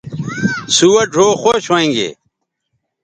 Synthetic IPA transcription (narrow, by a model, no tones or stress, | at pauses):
suwɐɖʱoːxoɕoẽŋɡḛː